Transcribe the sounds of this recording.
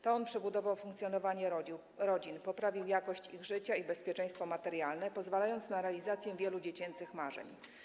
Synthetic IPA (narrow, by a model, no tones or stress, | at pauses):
t̪ɔɔnpʂɛbud̪ɔvawfuŋkt̪sʲjɔnɔvaɲɛ | ɾɔd͡ʑinpɔpɾavʲiwjakɔɕt͡ɕiɣʐɘt͡ɕaibɛspʲjɛt͡ʂɛ̃j̃st̪fɔmat̪ɛɾjalnɛpɔzvalajɔnt̪snaɾɛalʲizat̪sʲjɛvʲjɛlud͡ʑet͡ɕɛnt̪sɘxmaʐɛ̰ɲ